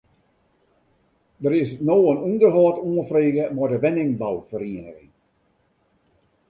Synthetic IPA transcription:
dəɾɪsnoːənundərɦɔːtuːənfreːɣəmɔdəʋɛnɪŋbawfəɾiənəɣɪŋ

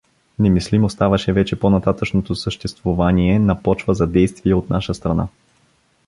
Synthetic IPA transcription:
nɛmislimost̪avɐʃɛvɛt͡ʃɛponɐt̪at̪əʃnot̪osəʃt̪ɛst̪vovaniɛnɐpɔt͡ʃvəzɐd̪ɛjst̪viɛot̪naʃəst̪ɾɐna̰

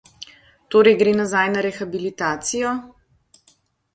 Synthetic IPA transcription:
t̪oːɾɛjɡɾeːnazajnaɾɛxabilit̪aːt̪sijɔ

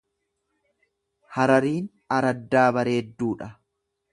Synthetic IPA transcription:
hɐɾɐɾiːn | ɐɾɐd̪ːaːbɐɾe̞ːd̪ːuːᶑɐ

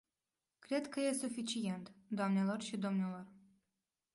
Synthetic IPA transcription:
kɾe̞d̪kəje̞sufit͡ʃije̞nt̪d̪oamnelo̞rʃid̪o̞mnelo̞r

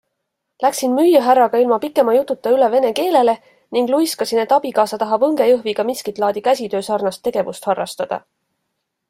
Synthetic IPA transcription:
læksinmyjːɑɦærːɑɡ̥ɑilmɑpikːˑe̞mɑjut̪ːˑut̪ːˑɑyle̞ve̞ne̞ke̞ːle̞le̞ | niŋɡlujskɑsinet̪ːˑɑb̥ikɑːsɑt̪ɑɦɑbɤŋɡ̥e̞jɤɦviɡ̥ɑmiskit̪ˑlɑːd̪̥ikæsʲit̪ø̞ːsɑrnɑst̪ːe̞ɡ̥e̞vust̪hɑrːɑ̰st̪ɑd̪̥ɑ̰

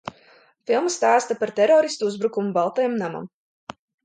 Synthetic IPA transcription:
filˠmst̪aːst̪apaɾt̪ɛɾɔːɾist̪uuzbɾukumubalˠt̪ɛjɛmnama̰m

